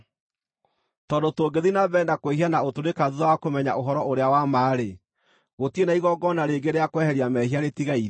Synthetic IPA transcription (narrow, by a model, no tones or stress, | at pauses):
tɔdotoːɡeðinaβɛndakwehianaotonekaðuðawakomɛɲa̰ʔoɦɔɾɔʔoɾeawamaːɾe | ɣotienaiɣɔɡɔnaɾeɡeɾeakwɛhɛɾiamɛhiaɾetiɣaiɾ